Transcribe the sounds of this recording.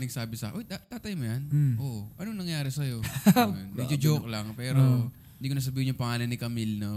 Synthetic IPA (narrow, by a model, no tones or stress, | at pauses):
nɐɡ̚saːbɪsɐ̰ʔojt̪at̪aːt̪ɐjmojanʔoʔʔɐnoŋnɐŋjaːɾɪsɐjo̞onmɛd͡ʒod͡ʒoklɐŋpɛːɾo | ɪnd̪iːkons̬ɐbiːhɪnɲːʊŋpɐŋaːlɐnɪkɐmilno